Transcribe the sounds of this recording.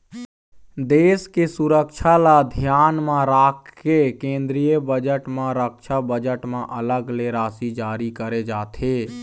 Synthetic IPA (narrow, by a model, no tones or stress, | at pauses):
d̪eːskesuɾəkʃʰalad̪ʱjaːnmãɾaːkʰːekẽːnd̪ɾijəbəd͡ʒəʈmãɾəkʃʰabəd͡ʒəʈmãʔələɡleɾaːsid͡ʒaːɾikəɾed͡ʒaːt̪ʰeː